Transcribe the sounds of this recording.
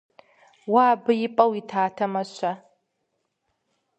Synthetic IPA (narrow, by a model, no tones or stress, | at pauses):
waːbɨjɪpʼɐwitʰaːtʰɐmɐʃʷɐ